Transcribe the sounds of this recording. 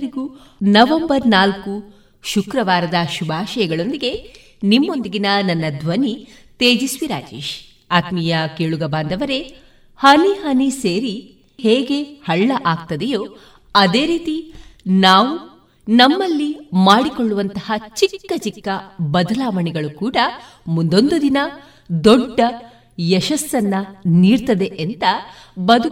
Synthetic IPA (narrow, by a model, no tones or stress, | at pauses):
ɾiɡu | nɐʋembɐɾnaːlku | ʃukɾɐʋaːɾɐd̪ɐʃubʱaːʃɐjɐɡɐɭo̞nd̪iɡe̞ | nimːo̞nd̪iɡinɐnɐnːɐd̪ʱʋɐni | t̪eːd͡ʒisuʋiɾa̰ːd͡ʒeːʃ | aːt̪mijɐkeːɭuɡɐbaːnd̪ʱɐʋɐɾe̞ | hɐniɦɐniseːɾi | heːɡe̞hɐɭːɐʔaːɡ̚t̪ɐd̪ɛjoː | ɐd̪e̞ːɾiːt̪inaːʋu | nɐmːɐlːimaːɽikoɭːuʋɐnt̪ɐhɐt͡ʃikːɐt͡ʃikːɐbɐd̪ɐlaːʋɐɳɛɡɐɭukuːɽɐ | mund̪o̞nd̪ud̪inɐ | d̪ɔɖːɐ | jɛʃɐsːɐnːɐniːɾt̪ɐd̪e̞ʔent̪ɐ | bɐd̪ʱu